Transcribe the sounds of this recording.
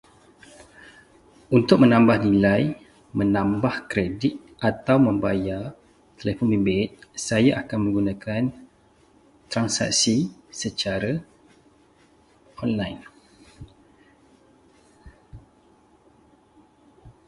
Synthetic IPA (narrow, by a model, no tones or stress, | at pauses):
unt̪ʊk̚mə̃nãmbahnilaj | mə̃nãmbahkɾedit̪̚ʔat̪awmə̃mbaja | t̪əlefɔnbimbet̪̚sajaʔakanmə̃ŋɡunãkʰan | t̪ɾansa̰k̚sisət͡ʃaɾa | ɔnlajn